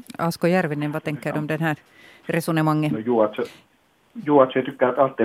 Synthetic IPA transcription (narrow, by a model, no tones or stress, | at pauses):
ɑskojærʋinːenʋɑt̪eŋkːædomd̪enhæː | resunemɑŋːenojuɑt̪s | juɑt̪søt̪ykːæːt̪ɑlt̪ːe